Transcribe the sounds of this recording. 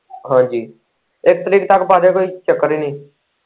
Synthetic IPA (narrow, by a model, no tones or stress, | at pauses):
ɦãːd͡ʒiː | ek̚t̪əɾiːk̚t̪akpaːɾekoːit͡ʃəkːəɾinĩː